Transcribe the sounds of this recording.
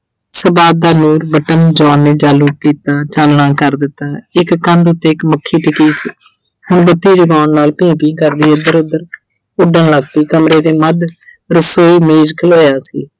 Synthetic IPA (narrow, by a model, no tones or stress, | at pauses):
səbaːb̚d̪aːnuːɾbəʈənd͡ʒãːnːeːd͡ʒaːluːkiːt̪aːt͡ʃaːlːãːkəɾd̪ɪt̪ːaːɪkkə̃nd̪ʊt̪ːeːɪkməkʰːiːʈɪkiːsiː | hʊɳbət̪ːiːd͡ʒəɡaːnːaːlpĩːpĩːkəɾd̪iːʊd̪əɾʊd̪ːəɾ | ʊɖənləɡt̪iːkəmɾeːd̪eːməd̪ | ɾəsoːiːmeːd͡ʒkʰəloːjaːsiː